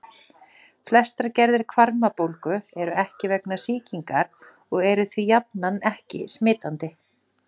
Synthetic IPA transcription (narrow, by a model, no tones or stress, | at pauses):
flɛst̪aɾcɛɾðɪɾ̥kʰvaɾmapowlkʏɛɾʏɛhcɪvɛknasiːciŋkaɾ̥ | ɔɣɛɾʏθvijapnanɛhcɪ̰smɪːt̪ant̪ɪ